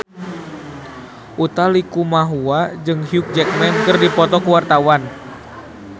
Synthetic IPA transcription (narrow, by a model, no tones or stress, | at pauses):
ʔut̪alikumaɦuad͡ʒɨŋɦiuk̚d͡ʒɛk̚mɛnkɨrdipɔt̪ɔkuwart̪awan